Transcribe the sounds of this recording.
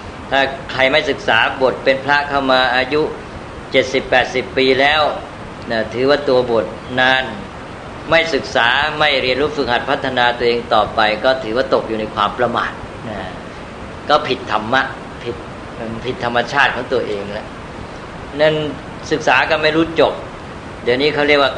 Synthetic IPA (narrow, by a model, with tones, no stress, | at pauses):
t̪ʰaː˥˩kʰɾa˧jma˥˩jsɯ˨˩k̚saː˩˦bo˨˩t̪̚pe˧npʰɾa˦˥kʰa˥˩wmaː˧ʔaː˧ju˦˥ | t͡ɕe˨˩t̪̚si˨˩pːɛː˨˩t̪̚si˨˩pːiː˧lɛː˦˥w | naː˧˩t̪ʰɯː˩˦waː˥˩t̪u˧ɐbo˨˩t̪̚naː˧n | ma˥˩jsɯ˨˩k̚saː˩˦ma˥˩jɾi˧ənɾuː˦˥˩fɯ˨˩k̚ha˨˩t̪̚pʰa˦˥t̪ʰːa˧naː˧t̪u˧ɐʔeː˧ŋt̪ɔː˨˩pa˧jkɔː˥˩t̪ʰɯː˩˦waː˥˩t̪o˨˩k̚juː˨˩na˧jkʰwaː˧mpɾa˧ma̰ː˨˩t̪̚ | naː˧˩ | kɔː˥˩pʰi˨˩t̪ʰːa˧mːa˦˥ʔ | pʰi˨˩t̪̚ː | pʰi˨˩t̪ʰːa˧mːa˧t͡ɕʰaː˥˩t̪̚kʰɔː˩˦ŋt̪u˧ɐʔeː˧ŋlɛ˦˥ʔ | na˥˩n | sɯ˨˩k̚saː˩˦kɔː˥˩ma˥˩jɾuː˦˥t͡ɕo˨˩p̚ | dɯ˧˩niː˦˥kʰa˥˩wɾi˥˩ək̚waː˥˩